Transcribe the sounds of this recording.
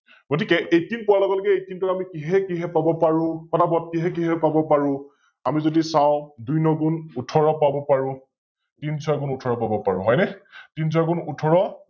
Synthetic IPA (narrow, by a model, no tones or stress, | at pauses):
ɡotikɛejtinpɔalɔɡɔlɔkɛejtintɔɹamikiɦɛkiɦɛpabɔpaɹʊ̃kɔtabɔt̚kiɦɛkiɦɛpabɔpaɹʊ̃ | amizodisãʊ̃dujnɔɡunutʰɔɹɔpabɔpaɹʊ̃ | tinsʰɔaɡunutʰɔɹɔpabɔpaɹʊ̃ɦɔjnɛtins̬ʰɔaɡunutʰɔɹɔ